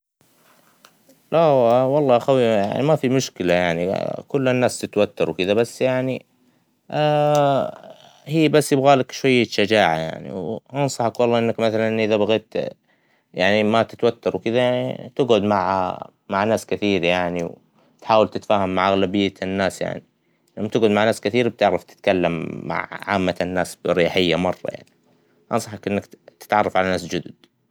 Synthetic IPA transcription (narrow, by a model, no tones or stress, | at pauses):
lʔawɑlˤːɑːʔaxawija̰ʕnḭmafimʊʃkɪlajaʕnikʊlːanːaːst̪ɪt̪wat̪ːɑɾˤwkɪd̪abasːjaʕni | hiːbasːjɪbɣaːlakʃwajːaʃad͡ʒaːʕa̰ja̰ʕnḭwʔɑnsˤɑħakwɑlˤːɑːʔɪnːakmaθalanʔʔɪðabaɣeːt̪ | jaʕnimat̪ɪt̪wat̪ːɑɾˤwkɪd̪ajaʕnḭt̪ɪɡʕʊd̪maʕa̰ | maʕnaːskɪθiːɾjaʕniw | t̪ħaːwalt̪ɪt̪faːhamːaʕʔaɣlabɪjːanːaːsja̰ʕni | lamt̪ɪɡʕʊd̪maʕnaːskɪθiːɾb̚t̪ɪʕɾaft̪ɪ̥t̪kalːamːa̰ʕʕa̰ːmːanːaːsbɾjaːħɪjːamɑrˤːɑ̰ja̰ʕni | ʔɑnsˤɑħkʔɪnːakt̪ɪ̥t̪ʕɑrˤːɑfʕalanaːs̬d͡ʒʊd̪ʊd̪̥